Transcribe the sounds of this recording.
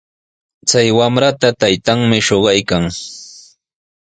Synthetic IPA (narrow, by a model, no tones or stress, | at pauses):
t͡sajwamɾat̪at̪ajt̪aŋmɪʃoɢɑjkaŋ